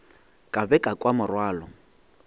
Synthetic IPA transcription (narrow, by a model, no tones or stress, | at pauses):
kʼabɛkʼakʼwamʊrwaːlɔ